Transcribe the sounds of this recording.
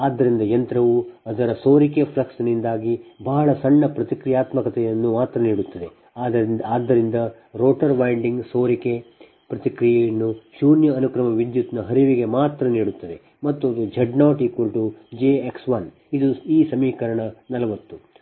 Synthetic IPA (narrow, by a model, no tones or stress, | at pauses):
aːd̪ːɐɾind̪ɐjɐnt̪ɾɐʋuɐd̪ɐɾɐsoːɾikepʰlɐksnind̪aːɡibɐɦɐɭɐsɐɳːɐpɾɐt̪ikɾijaːt̪mɐkɐt̪ɛjɐnːumaːt̪ɾɐniːɽut̪ːɐd̪e̞ | aːd̪aːd̪ːɐɾind̪ɐ | ɾoːʈɐɾʋɐjɳɖiŋɡsoːɾike | pɾɐt̪ikɾijɐjɐnːuʃuːnjɐːnukɾɐmɐʋid̪jut̪nɐɦɐɾiʋiɡe̞maːt̪ɾɐniːɽut̪ːɐd̪e̞ | mɐt̪ːuɐd̪ud͡ʒʱɐɖnaːʈiːkʋɐlʈud͡ʒeeksʋɐn | id̪uiːsɐmiːkɐɾɐɳɐnɐlɐʋɐt̪ːu